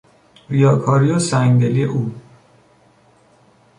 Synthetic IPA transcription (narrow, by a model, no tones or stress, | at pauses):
ɾijɒːkʰɒːɾiosæŋɡd̪elieʔuː